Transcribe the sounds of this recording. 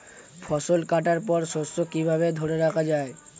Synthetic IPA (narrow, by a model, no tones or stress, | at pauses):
fʰɔʃolkaʈaɾpɔɾʃostokibʱaβed̪ʱoɾeɾakʰad͡ʑae